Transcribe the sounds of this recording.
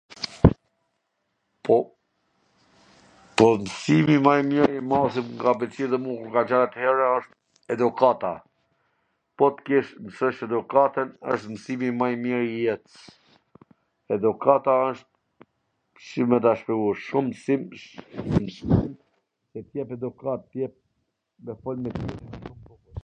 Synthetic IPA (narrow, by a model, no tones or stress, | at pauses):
pɔ | pɔmsimimajmiɾimasimŋɡabɛlt͡siðɛmukuɾɡat͡ʃaɾat̪hɛɾaəʃt̪̚ | ɛd̪ukat̪a̰ | pɔt̪kiʃmsɔʃɛd̪ukat̪ənə̰ʃt̪msimimajmiɾjɛt̪ | ɛd̪ukat̪aəʃt̪̚ | ʃimɛt̪aʃpɛuʃumsim | msim | sɛt̪jɛpɛd̪ukat̪ːjɛp̚ | mɛfɔlmɛt̪jɛt̪imaʃumbuku